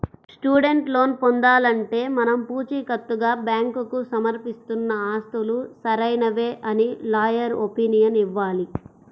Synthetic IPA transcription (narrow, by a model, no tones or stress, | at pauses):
sʈuːɖe̞ɳʈlo̞ːnpond̪aːlɐɳʈe̞ːmɐnɐmpuːt͡ʃiːkɐt̪ːuɡaːbjaːŋkukusɐmɐɾpist̪unːɐaːst̪ulusɐɾɐjnɐʋe̞ːʔɐnilaːjɐɾopinijɐniʋːaːli